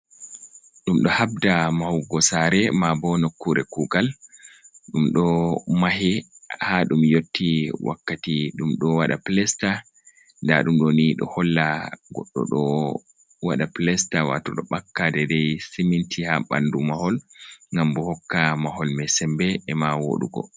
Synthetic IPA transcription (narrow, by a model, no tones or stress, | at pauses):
ɗumɗɔhabdamahwɡɔsaɾɛmabɔnokːuɾʔɛkuɡal | ɗumɗɔmaɦɛhaɗumjotʰːiwa̰kːatiɗumɗɔwaɗa̰plɛsta | nda̰ɗumɗoniɗɔ̰hɔlːaɡɔ̰ɗːɔ̰ɗɔ | wa̰ɗaplɛstawa̰tɔɗɔɓakːadɛdɛjsimintʰihaɓa̰ndumahɔlŋɡambɔhɔkːamahɔlmɛsɛmbɛːmawo̰ɗṵɡɔ̰